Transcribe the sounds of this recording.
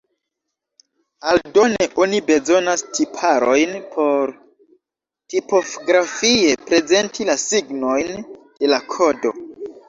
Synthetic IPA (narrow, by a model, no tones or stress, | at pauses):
aldo̞ne̞ʔo̞nibe̞zo̞nastʰipʰaɾo̞jnpʰo̞ɾ | tipo̞ɡɾafie̞pɾe̞ze̞ntʰilasiɡno̞jnd̥e̞lakʰo̞do̞̰